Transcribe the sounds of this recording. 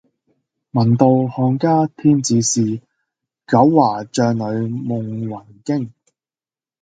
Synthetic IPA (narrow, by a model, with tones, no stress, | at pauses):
mɐ˨˩nt̪o˨˧whɔː˧ŋkaː˥t̪ʰiː˥nt͡siː˨˧siː˨ | kɐ˨˥wːaː˨˩t͡ʃœː˨ŋlɵ˨˧ɥmʊ˨ŋwɐ˨˩nkɪ˥ŋ